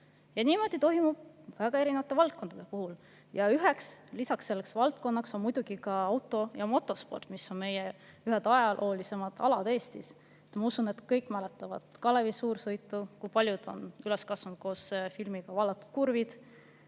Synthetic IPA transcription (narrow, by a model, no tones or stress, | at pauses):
jɑniːmo̞d̪̥it̪o̞ɦimub̥̚væɡ̥ɑe̞ɾinevɑt̪ːˑe̞vɑlt̪̚ko̞nd̪̥ɑd̪̥e̞puhul | jɑyɦekslisɑksːe̞lːeksvɑlt̪̚ˑko̞nːɑkso̞nmujd̪̥uɡ̥ikɑɑwt̪ːˑo̞jɑmo̞t̪ːˑo̞spo̞̰rt̪miso̞nme̞je | yɦed̪̥ɑjɑlʔo̞ːlise̞mɑd̪̥ɑ̰lɑd̪̥e̞ːst̪is | et̪mɑusune̞t̪kɤjkːˑmælet̪ːˑɑvɑ̰d̪̥kɑlevisuːɾsɤjt̪ːˑukujpɑlʲjud̪̥o̞̰nyleskɑsvnt̪̚ko̞ːsfilmiɡ̥ɑvɑlːɑt̪ːˑu̥d̪̥kurvid̪̥